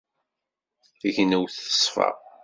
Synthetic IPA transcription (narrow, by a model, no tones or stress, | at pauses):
æʝənæwθə̥sˤfɑ̰ʁ